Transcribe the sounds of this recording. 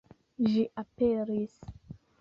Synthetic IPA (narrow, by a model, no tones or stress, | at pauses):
ʒiʔapeɾis